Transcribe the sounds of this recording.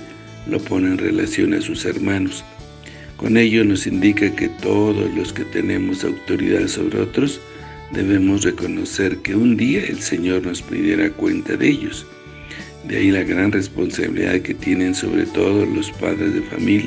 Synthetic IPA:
lo̞po̞nenre̞̰lasjo̞̰nasuse̞ɾmanos | ko̞̰ne̞ʝo̞no̞sind̪ikake̞t̪o̞ðo̞zlo̞ske̞t̪e̞ne̞mo̞sawt̪o̞ɾḭðaðso̞̰βɾeo̞t̪ɾo̞z | d̪e̞βe̞mo̞sre̞ko̞no̞se̞ɾkeund̪iaḛlseɲo̞ɾno̞spɾḭðjeɾakwe̞nt̪aðee̞ʝo̞s | d̪ea̰ilaɣɾanre̞spo̞nsaβḭlḭða̰ðke̞t̪je̞ne̞nso̞̰βɾe̞̰t̪o̞ðolo̞spa̰ðɾezðefa̰milja

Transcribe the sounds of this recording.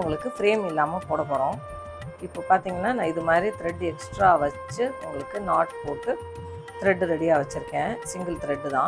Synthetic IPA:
ʊŋɡɐɭɯkːɯfɪɾeːmɪlːaːmɐpoːɽɐpːoːɾõː | ɪpːoːpaːɾt̪iːŋɡɐnːaːnãːɪðɯmaːd̪ɾit̪ɪɾɛɖːɯɛksʈɾaːʋɐt͡ʃːɯʊŋɡɐɭɯkːɯnaːɾʈpoːʈːɯ | t̪ɪɾɛɖːɯɾɛɽɪjaːʋɐt͡ʃːɪɾɯkːẽːsɪŋɡɐlt̪ɪɾɛɖːɯt̪ãː

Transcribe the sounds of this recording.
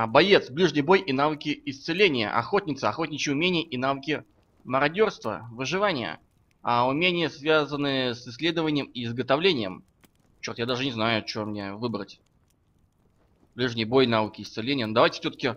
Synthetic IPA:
bɐjet̪sblʲiʐnʲɪjbo̞jʔɪnavɨkʲɪɪst̪sɨlʲenʲɪjə̰ʔɐ̰xo̞tʲnʲɪt̪səɐxotʲnʲɪt͡ɕɪʊmʲenʲɪjəʔɪnavɨkʲɪ | məɾɐdʲo̞rst̪və̰vɨʐɨvanʲɪjə̰ | ɐʊmʲenʲɪjəsvʲazənɨsɨsːlʲe̞d̪əvənʲɪjəmɪɪzɡət̪ɐvlʲenʲɪjəm | t͡ɕːort̪jad̪aʐɨnʲɪznajʊt͡ɕɪomnʲevɨbɾətʲ | b̥lʲiʐnʲɪjəbojɪnavɨkʲɪɪst̪sɨlʲenʲɪjənod̪ɐvajtʲɪ̥fsʲot̪ə̥kʲɪ

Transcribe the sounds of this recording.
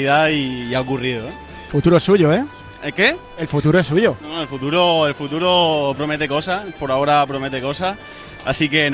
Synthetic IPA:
iðaiːaokuriðoe | fut̪uɾoesuʝoe | eke | elfut̪uɾoe̞s̬uʝonoelfut̪uɾoelfut̪uɾopɾomet̪e̞ko̞sapo̞ɾao̞ɾapɾome̞t̪e̞ko̞sah | a̰sike̞n

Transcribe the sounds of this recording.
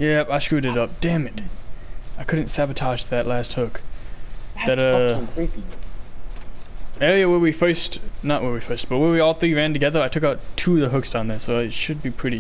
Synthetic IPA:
jæpaɪʃkʉɾɨɾʌp̚d̥æ̃mɨd̥ | aɪkʰʊdⁿn̩tsæbɨtʰɑʒðɨʔˡlæst̚hʊk | ðɨɾʌkʰɹ̥it | jojæwə˞wifɜ˞stnəʔ̚wə˞wifɜ˞st̚b̥ʌt̚wəwiɔlˠθɹiɹæ̃ntɨɡɛðə˞aɪtʰʊkaʊtʰuʌðəɦʊksd̥ãʊ̃nðəsoʊaɪʃɨd̚bipʰɹ̥ɪɾi

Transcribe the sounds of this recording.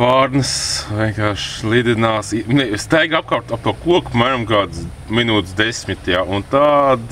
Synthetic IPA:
paːɾnəsʋʲiɛnkaːɾʃlˠid̪ʲinaːsinɛst̪æjɡap̚kap̚t̪ap̚t̪uɔkuɔkpmæːɾamɡaːd̪s | minuːt̪sd̪esʲmit̪ʲjaːʔunt̪ad̪

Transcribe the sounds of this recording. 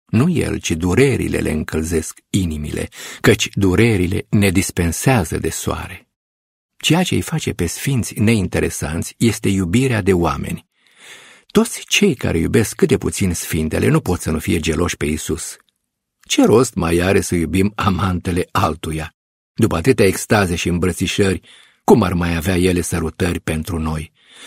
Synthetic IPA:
nuje̞̰lt͡ʃid̪uɾeɾḭle̞̰lʔe̞̰ɨŋkəlze̞skinimḭlʔe̞̰kət͡ʃʲd̪uɾe̞ɾile̞̰ne̞d̪ispe̞nseazə̰d̪e̞soa̰ɾe̞ | t͡ʃe̞jat͡ʃe̞̰jfat͡ʃe̞pe̞sfint̪sʲne̞int̪e̞ɾe̞sa̰nt̪sʲje̞st̪e̞jubiɾead̪e̞oa̰me̞̰nʲ | t̪o̞t̪sʲt͡ʃe̞jka̰ɾe̞̰jṵbe̞skːɨt̪̚d̪e̞put̪sinsfint̪e̞lʔe̞nupo̞t̪sənufije̞d͡ʒe̞lo̞ʃʲpe̞isus | t͡ʃe̞ɾo̞st̪majaɾe̞səjubimamant̪e̞le̞ʔalt̪uja | d̪upəat̪ɨt̪eaekst̪azeʃiɨmbɾət̪siʃərʲ | kumarmajaveaje̞le̞səɾut̪ərʲpe̞nt̪ɾuno̞j

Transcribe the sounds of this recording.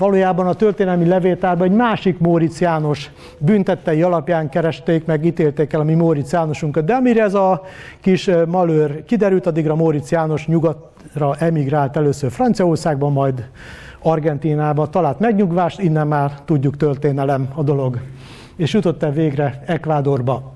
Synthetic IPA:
vɒloːjaːbɒnɒt̪ørt̪eːnɛlmilɛveːlt̪aːrbɒɛɟmaːʃikmoːɾit̪sjaːno̞ʃ | bynt̪ɛt̪ːɛjiɒlɒpjaːŋkɛɾɛʃt̪eːkmɛɡiːt̪eːlt̪eːkɛlɒmimoːɾit̪sjaːno̞ʃuŋkɒt̪̚d̪ɛɒmiɾɛɛzɒkiʃmɒløːrkid̪ɛɾylt̪ɒd̪ːiɡrɒmoːɾit̪sjaːno̞ʃɲuɡɒt̪ | rɒʔɛmiɡraːlt̪ɛløːsørfrɒnt̪sijɒorsaːɡbɒmːɒjd̪ | ɒrɡɛnt̪iːnaːbɒt̪ɒlaːlt̪mɛɡɲuɡʋaːʃt̪inːɛmːaːrt̪uɟːukt̪ørt̪eːnɛlɛmɒd̪o̞lo̞ɡ | eːʃjut̪o̞t̪ːɛveːɡrɛɛkʋaːd̪o̞rbɒ

